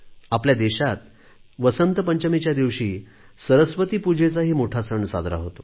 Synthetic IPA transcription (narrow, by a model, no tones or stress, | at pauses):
apljad̪eɕat̪ | ʋəsənt̪əpəɲt͡ɕəmit͡ɕjad̪iʋɕiː | səɾəsʋət̪iːpud͡ʑʱet͡saɦiːmoʈʰat͡səɳːsa̰d̪ʱɾa̰ɦot̪o